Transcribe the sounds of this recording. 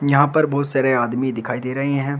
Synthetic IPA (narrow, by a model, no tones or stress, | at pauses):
jɐɦãpɐɾbɔːt̪sɐːɾeaːd̪mid̪ɪkʰaːid̪eːɾɐɦeɦɛ̃ː